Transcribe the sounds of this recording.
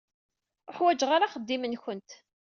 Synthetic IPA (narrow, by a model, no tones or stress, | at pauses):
əħwæd͡ʒʁaɾaχəd̪ːimənçənt̪